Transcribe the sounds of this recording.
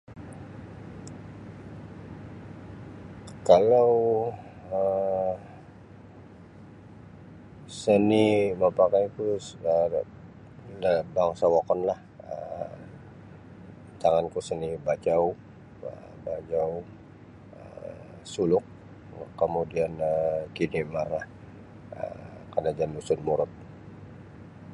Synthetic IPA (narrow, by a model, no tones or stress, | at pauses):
kalaw | ə | səniməpakajkuə | ləbaŋsawakɔnlah | ə̰ | t̪aŋankusənibad͡ʒaw | ə | bad͡ʒaw | ə | sulʊk̚ː | əmudianəkinimarlah | ə̰kanad͡ʒanlusʊnmuɾʊt̪̚